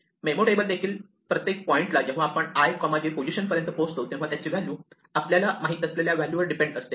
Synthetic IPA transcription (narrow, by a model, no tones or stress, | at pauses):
memoʈebəld̪ekʰiːl | pɾət̪jek̚pɔiɳʈlad͡ʑẽɦʋaːpəɳajkɔmad͡ʑepod͡ʑiɕənfəɾent̪əposʈɦot̪ẽɦʋat̪jat͡ɕiːʋæljuː | apljalamaɦit̪ːəsleljaʋæljuʋəɾɖipẽɳɖəst̪e